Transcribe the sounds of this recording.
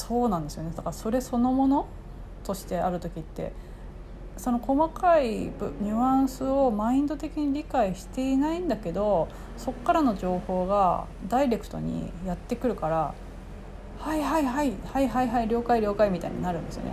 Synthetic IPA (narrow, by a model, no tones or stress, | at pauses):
so̞ːnãnd̪e̞sɨjo̞ned̪akaaso̞ɾe̞so̞no̞mo̞no̞ | t̪o̞ɕi̥t̪e̞aɾɯ̟t̪o̞kʲit̪ːe̞̰ | so̞no̞ko̞makaibɲ̟ɯãɰ̃sɨo̞maĩnd̪o̞t̪e̞kʲiɲ̟iɾʲikaiɕi̥t̪e̞inaĩnd̪ake̞d̪o̞ | so̞kːaɾano̞ʑo̞ːho̞ːɡa̰ | d̪aiɾe̞kɯ̟̥t̪o̞̰ɲ̟ḭjat̪ːe̞kɯ̟ɾɯ̟kaɾa | haiɦaiɦaihaiɦaiɦaiɾʲo̞ːkaiɾʲo̞ːkaimʲit̪a̰ḭɲḭnaɾɯ̟̃nd̪e̞sɨ̰jo̰nḛ